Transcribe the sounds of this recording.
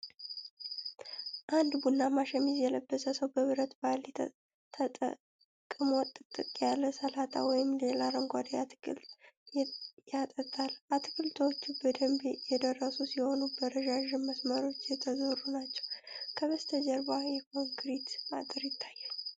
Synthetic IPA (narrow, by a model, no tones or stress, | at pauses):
ʔand̪bunːamaʃɛmizjɛləbːəsəsəwbəβɨɾət̪balʰ | əə | kʼːɨmot̪ʼɨt̪ʼɨkʼjalːəsəlat̪ʰa̰wɔjɪmlelaɾəŋɡʷad̪ijat̪kɨlt̪ | jat̪ʼət̪ʼːalat̪ʰkɨlt̪ʰwt͡ʃːbəd̪əmbjɛd̪ərːəsusiho̞nubəɾəʒaʒɨmːəsməɾo̞t͡ʃːjɛt̪ʰəzərunat͡ʃːɛw | kʰəβəst̪ʰəd͡ʒɛɾbajɛkʰo̞ŋkɾit̪ma̰ɡ̪ʼəɾjɪt̪ʰːajːɛl